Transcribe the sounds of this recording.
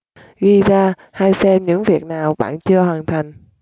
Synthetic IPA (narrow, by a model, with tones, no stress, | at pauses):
ɣi˧zaː˧ | haː˧jsɛ˧mɲɨ̰˧˥ŋvi˨˩ək̚naː˨˩wɓa̰ː˧˨nt͡ɕɨ˧əhwaː˨˩nt̪ʰa˨˩jŋ̟